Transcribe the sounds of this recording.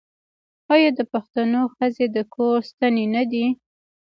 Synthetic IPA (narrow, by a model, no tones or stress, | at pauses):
ɑjɑd̪əpaxt̪anoxəzed̪əkʰoɾst̪anenad̪i